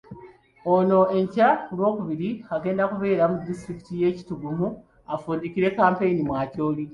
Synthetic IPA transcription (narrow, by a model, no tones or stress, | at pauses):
ono̞e̞ɲcakulwo̞ːkuβiɾiaɡe̞ːndakuβe̞ːɾamudːistɾiki̥tije̞ːci̥tuɡumu | afuːndikiɾe̞kaːmpe̞inimwaːco̞ːli